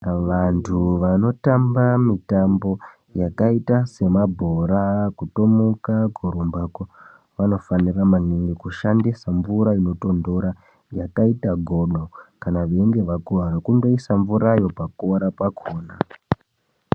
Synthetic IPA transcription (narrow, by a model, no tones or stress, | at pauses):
ʋantʰuʋano̞tambamitambo̞ | jakaitase̞mabʱo̞ɾakuto̞mukaɡʱoɾumbako | ʋano̞faniramaniŋɡikuʃandisaɱvuɾaino̞to̞ndo̞ɾa | jakaitaɡʱo̞ɗokanaʋeŋɡe̞ʋakuɦaɾakuŋɡoisaɱvuɾajo̞pakoɾapakʰoːna